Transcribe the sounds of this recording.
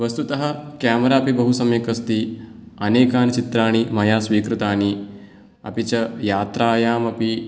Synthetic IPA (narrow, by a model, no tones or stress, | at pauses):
ʋɐst̪ut̪ɐɦɐ̆kaːmɐɾaːpibɐɦusɐmjekɐst̪iɐneːkaːnt͡ʃit̪ɾaːɳ̃imɐjaːsʋiːkɾut̪aːɳi | ɐ̰pit͡ʃɐjaːt̪ɾaːjaːmɐpi